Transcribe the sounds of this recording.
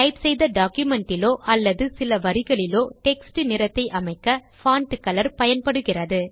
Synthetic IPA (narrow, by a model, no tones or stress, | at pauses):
ʈɐɪpsɛjðɐɖaːkjʊmɛɳʈɪloːʔɐlːɐðɯsɪlɐʋɐɾɪɣɐɭɪloːʈɛksʈɯnɪɾɐt̪ːɐɪʔɐmɐɪkːɐ | faːɳʈɯkːɐlɐɾpɐjɐnpɐɽɯɣɪrɐðɯ